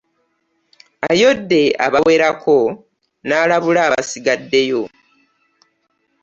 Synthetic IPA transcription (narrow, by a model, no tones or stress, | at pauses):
ajo̞dːe̞a̰βawe̞ɾakʰo̞ | naːlaβulaːβaasiɡadːe̞jo̞